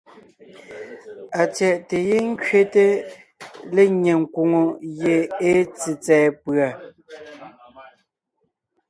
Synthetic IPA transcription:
a˨t͡sjɛ˨ʔte˨je˦ŋ̩˦kɥe˦te˦ | le˦ɲe˨ŋ̩kwo˨ŋo˨je˨e˦t͡si˨t͡sɛː˨pɰa˨

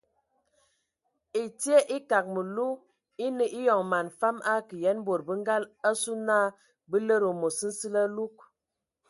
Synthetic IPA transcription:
i˨ti˦e˦ʔi˦ka˨k̚mə˨lu˦ | i˦nə˨ʔi˦jɔ˨ŋma˨nfa˦ma˦kə˨jɛ˦n˦bo˨ɾbə˦ŋ˦ɡa˦la˦su˦na˦˨ | bə˦lə˦ɾo˨mo˨sə˦n̩˦si˦lə˦lu˦k̚

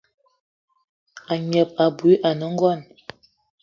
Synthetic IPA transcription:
a˨ɲə˨p̚a˨bu˨˦ʔa˨nə˨˦ŋ̩˦ɡɔ˦˨n

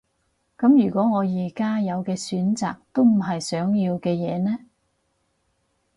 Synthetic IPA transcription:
kɐ˨˥mjyː˨˩kʷɔː˨˥ŋɔː˨˧jiː˨˩kaː˥jɐ˨˧wkɛː˧syː˨˥nt͡sa̰ː˨k̚t̪o˥wm̩˨˩ɦɐ˨jsœː˨˥ŋjiː˧wkɛː˧jɛː˨˧nɛː˥

